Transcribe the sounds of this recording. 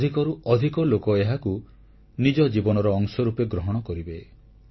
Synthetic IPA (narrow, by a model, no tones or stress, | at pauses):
d̪ʱikɔɾuɔd̪ʱikɔlokɔeɦaku | nid͡ʒɔd͡ʒibɔnɔɾɔːŋsɔɾupeɡɾɔɦɔɽ̃ɔkɔɾibe